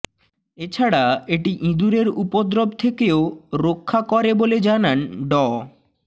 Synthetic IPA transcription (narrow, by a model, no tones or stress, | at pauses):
et͡ɕʰaɽaeʈiʔĩd̪uɾeɾupod̪ɾobt̪ʰekeoɾokʰːakɔɾeboled͡ʑananɖɔ